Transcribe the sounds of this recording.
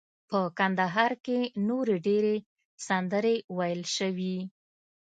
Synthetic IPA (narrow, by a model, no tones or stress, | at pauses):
pəkand̪aɦɑɾkenoɾeɖeɾe | sand̪əɾewajəlʃəwi